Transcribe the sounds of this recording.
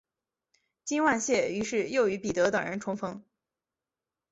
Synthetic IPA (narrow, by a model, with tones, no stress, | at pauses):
t͡ɕi˥nwa˥˧nɕjɛ˥˩y˧˥ʂɻ̩˥˧jo˥˩ʊy˧˥pi˨˩t̪ɤ˧˥t̪ɤ˨˩ŋɻə̰˧˥nʈ͡ʂʰʊ˧˥ŋfɤ˥ŋ